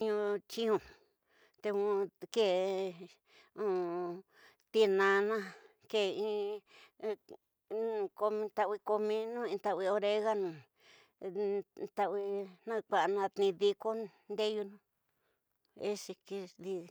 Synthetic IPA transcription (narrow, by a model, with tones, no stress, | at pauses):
ɲũ˧t͡ʃĩ˦ũ˧ | t̪e˧ũ˧ke˦˨ | ũ˧ | t̪i˧nã˧nã˦ | ke˧˨ĩ˦˧ | ko˧mĩ˧t̪a˧ʔwi˧ko˧mĩ˧nũ˦ĩ˧t̪a˧ʔwi˧o˧ɾe˧ɣa˦nũ˨ | t̪a˧wi˧nã˦˧kʷa˧ʔnã˧t̪nĩ˧ði˧ko˦ | nd̪e˦ju˧nũ˦ | e˦si˧ki˧ði˧